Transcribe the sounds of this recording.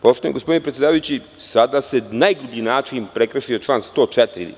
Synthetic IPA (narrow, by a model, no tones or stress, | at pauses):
poʃt̪oḛɡospd̪inepɾet̪sʲjed̪aːʋajut͡ɕi | sad̪asenajɡɾubinaːt͡ʃiimpɾekɾaʃijot͡ʃlˠaːnst̪o̞ːt͡ʃɛt̪ɾiɾḭ